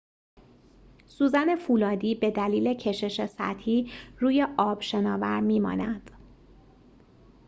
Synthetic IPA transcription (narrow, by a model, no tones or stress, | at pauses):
suːzæne̞fuːlɒːd̪iːbe̞d̪æliːle̞cʰe̞ʃe̞ʃesæ̰t̪hiːruːje̞ʔɒːb̥ʃe̞nɒːvæɾmiːmɒ̰ːnæd̪̥